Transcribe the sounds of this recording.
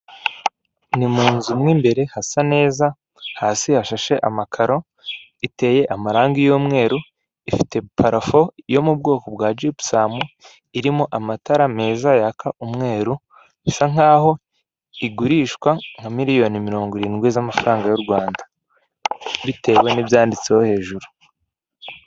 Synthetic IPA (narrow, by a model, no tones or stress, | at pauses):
nimuːnzumŋimbe̞ɾe̞hasane̞ːza | haːsihaʃaʃe̞ʔa̰makʰaɾo̞ | ite̞ːje̞ʔamaɾaːŋɡijoːmŋe̞ːɾu | ifi̥te̞pʰaɾafo̞jo̞mub̚ɡo̞ːko̞b̚ɡwaːd͡ʒipsaːmu | iɾimoʔamataɾame̞ːzajakʰaʔumŋe̞ːɾu | isaŋ̥aːho̞ | iɡuɾiːʃkwaŋ̥hamiɾijo̞nimiɾo̞ːŋɡoɾiːnɡwezamafaɾaːŋɡajuɾɡwaːnda | βite̞ːwe̞nibjaːndit͡seho̞he̞ːʒuɾu̥